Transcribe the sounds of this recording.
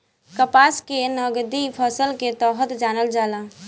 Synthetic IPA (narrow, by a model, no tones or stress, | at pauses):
kəpaːskenɔɡd̪ipʰɔsəlket̪ɔːɦət̪d͡ʒaːnəld͡ʒaːlaː